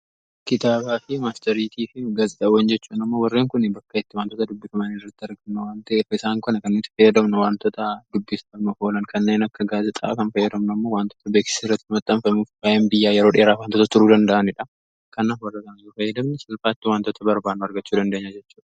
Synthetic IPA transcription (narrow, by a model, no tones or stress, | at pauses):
kɪt̪aːbaːfɪmaːst̪ɐɾiːt̪ʰiːfɪɡazɪt̪ʼɐwɛnd͡ʒɛt͡ʃːuːnɐmːo̞ːwɐrːe̞ːŋkʊnɪbɐkːɐɪt̪ːɪwaːnt̪ɔt̪ɐd̪ʊbːɪfɐmɐnɪrːɐt̪ːɪɐɾɡɐmnɐwaːnt̪ɐefɐɪsaːŋkɐnɐkɐnːet̪ːɪ̥fɐjːɐd̪ɐmnɐwaːnt̪ot̪ɐd̪ʊbːɪsɐmnʊho̞ːlɐnkʰɐnːe̞ːnɐkːɐɡaːzɪt̪ʼɐ̰kɐnfɐjːɐd̪ɐmnɐmːoːwaːnt̪oːt̪ɐbeːkɪ̥siːrːɐt̪ːɪmɐt̪ʼːɐmfɐmuːfaʔenbɪjːaːjɛɾoːᶑeːɾaːwaːnt̪oːt̪ɐt̪ʊɾuːd̪ɐnd̪ɐʔɐnɪᶑɐ | kɐnːaːfwɐrːɐkɐnɐjufɐjːɐd̪ɐmnɪsɐlfaːt̪ːɪwaːnt̪ɔt̪ɐbɐɾbaːnːʊɐɾɡɐt͡ʃːuːd̪ɐnd̪eːɲːad͡ʒɛt͡ʃːu̥ːᶑɐ̥